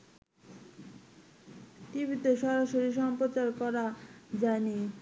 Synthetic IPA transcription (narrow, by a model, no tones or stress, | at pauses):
ʈibʱit̪eʃɔɾaʃoɾiʃɔmpɾot͡ɕaɾkɔɾad͡ʑani